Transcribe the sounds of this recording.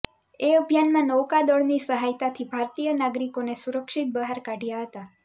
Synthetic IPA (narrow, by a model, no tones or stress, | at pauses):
eəbʱjanmãnɔwkad̪ɔɽnisəɦajt̪at̪ʰibʱaɾt̪ijənaɡɾikonesuɾəkʃit̪̚bəɦaɾkaɖʱjaɦət̪a